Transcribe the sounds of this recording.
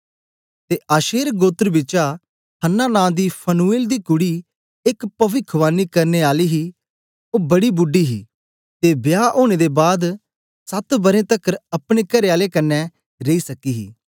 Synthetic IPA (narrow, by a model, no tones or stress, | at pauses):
t̪eːʔaːʃeːɾɡoːt̪ɾbɪt͡ʃa | hənːaːnãːd̪iːpʰənueːld̪iːkʊɽi | ɪkpəʋɪkʰʋaːnːiːkɐɾneːaːliːɦiː | oːbɐɽiːbʊɖːiːɦḭː | t̪eːbjaːʔoːɽ̃eːd̪eːbaːd̪ | sɐt̪bɐɾẽːt̪əkəɾɐpɽ̃eːkɐɾeaːlekənːɛ | ɾeisɐkiːɦḭː